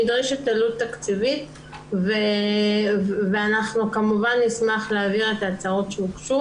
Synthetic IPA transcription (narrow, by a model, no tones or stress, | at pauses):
idʁiʃet̪ːalutːakt͡sivit | ve | veanaχnukamuvanːismaχleaviʁe̞tat͡saʁo̞tʃeukʃu